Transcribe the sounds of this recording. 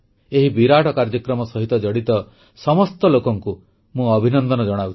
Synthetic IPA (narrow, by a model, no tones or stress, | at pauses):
eɦibiɾaʈɔkaɾd͡ʒɔkɾɔmɔsɔɦit̪ɔd͡ʒɔɽit̪ɔ | sɔmɔst̪ɔlokɔŋku | mũɔbʱinɔnd̪ɔnɔd͡ʒɔɽ̃awtʰ